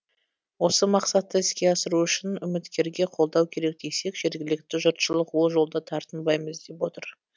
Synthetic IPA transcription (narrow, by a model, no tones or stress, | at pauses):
wo̞səmɑqsɑt̪ːəɪskʲe̞ɑsəɾuʏʃɪnʏmɪt̪kʲe̞ɾɡʲe̞qʰo̞lˠd̪ɑwkʲʰe̞ɾe̞k̚d̪̥ejse̞kʒ̥e̞ɾɡʲɪlɪk̚t̪ɪʒʊɾt̪ʃəlˠəqwo̞lˠʒo̞lˠd̪ɑt̪ʰɑɾt̪ənbɑjməzd̪e̞pwo̞t̪əɾ